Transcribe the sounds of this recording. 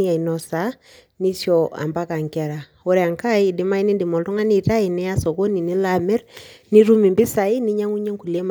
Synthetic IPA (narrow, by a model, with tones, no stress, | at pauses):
i˦a˨i˨nɔ˦sa˦ | ni˦sjɔa̰˨mba˦ka˨ŋkɛ˨ɾa˨ | o˦ɾɛa˨ŋka˦i˨dɪ˨ma˦i˦ni˦ndi˨mɔ˨ldɔ˦ŋa˦ni˦˨ta˦i˨nɛ˦a˦so˨ko˦ni˨ni˦la˨mɛ˦ɾni˦ɾu˦mi˨mbɪ˦sa˨i˦ni˦ɲa˦ŋu˦ɲe˦ŋku˨le˦m˨